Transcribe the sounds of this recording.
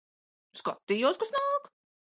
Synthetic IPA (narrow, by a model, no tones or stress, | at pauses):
skɔt̪ːijɔwskʊsnaːk